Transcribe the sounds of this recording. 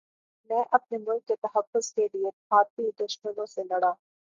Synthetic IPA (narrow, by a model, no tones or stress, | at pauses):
mɛ̃ːʔɐp̚nemʊlkːet̪ɐɦəfːʊz̥kelieaːt̪id̪ʊʃmənõselɐɽaː